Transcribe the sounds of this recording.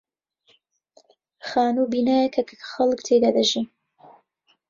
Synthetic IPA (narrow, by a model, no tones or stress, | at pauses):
xaːnubiːnaːjekʰɐkxɐlkt̪ʰejd̪aːd̪ɐʒi